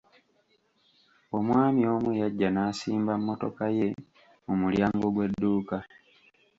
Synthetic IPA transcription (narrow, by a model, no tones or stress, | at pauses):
o̞mwaːmio̞ːmujaɟːanaːsiːmbamːo̞to̞̰kaje̞ | mumuljaːŋɡo̞ɡwe̞dːuːka